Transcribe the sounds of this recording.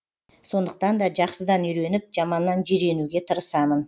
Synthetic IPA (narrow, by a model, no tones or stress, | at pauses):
so̞nd̪əq̚t̪ɑnd̪ɑʒɑqsəd̪ɑnʏjɾe̞nɪp̚ʒɑmɑnːɑnʒiɾe̞nuɡʲe̞t̪ʰəɾəsɑmən